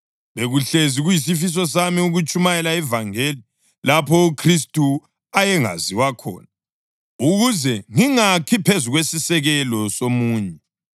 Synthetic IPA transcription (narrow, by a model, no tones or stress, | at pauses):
βeɣuɬeziɣujis̬ifis̬ɔs̬amiuɣut͡ʃʼumajɛlaɛvaŋeːli | lapʰɔukʰris̬tʼu | ajɛŋa̰ziwakʰɔ̰ːna | uɣuzɛŋiŋakʰipʰezuɣwesisɛɣɛlɔsomuːɲɛ